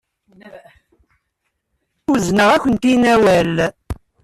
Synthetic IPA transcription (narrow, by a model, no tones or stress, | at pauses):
wəznəʁækʷənt̪inæwæl